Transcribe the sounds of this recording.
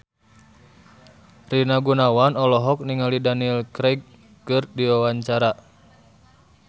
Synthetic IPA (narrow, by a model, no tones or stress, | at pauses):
rinaɡunawanɔlɔɦɔk̚niŋalidanilkɾɛɡ̚ | kɨrdiwawaɲt͡ʃaɾa